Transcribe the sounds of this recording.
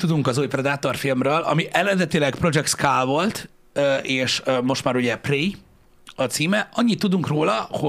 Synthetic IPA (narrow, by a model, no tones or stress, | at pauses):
t̪ːud̪uŋkɒzuːjprɛd̪aːt̪o̞rfilmrøːlɒ̰miʔɛlɛnzɛt̪ilɛɡpro̞d͡ʒɛkt̪skaːlvo̞lt̪ | øʔeːʃmo̞ʃt̪maːɾuɟɛpreː | ɒt̪siːmɛɒɲːit̪ːud̪uŋkroːlɒho